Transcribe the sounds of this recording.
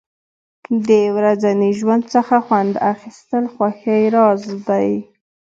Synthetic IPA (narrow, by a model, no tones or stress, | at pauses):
d̪əwɾazaniʒwand̪̚t͡səxaxwand̪axist̪əlxwaxəjɾɑzd̪aj